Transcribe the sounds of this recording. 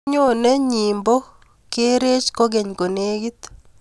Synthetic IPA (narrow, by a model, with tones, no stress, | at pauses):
ɲo˦nɛ˦ɲi˨mbo˦ | ke˦ɾe˦t͡ʃko˦ɡɛ˨ɲko˨neː˦ɡi˦t̪